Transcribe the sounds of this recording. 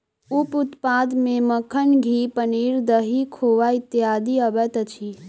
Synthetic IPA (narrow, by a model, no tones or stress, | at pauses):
upʊt̪paːd̪mẽməkʰənɡʱiːpəniːɾd̪əɦikʰoːʋaɪt̪ːjaːd̪iəbɛt̪ət͡ʃʰi